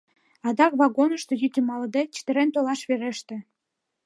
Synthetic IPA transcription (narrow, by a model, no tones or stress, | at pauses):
ɑd̪ɑkβɑɡonə̆ʃt̪ŏjyt̪ʲɘmɑld̪et͡ɕi̥t̪ɘ̆ɾent̪olɑʃβeɾeʃt̪ĕ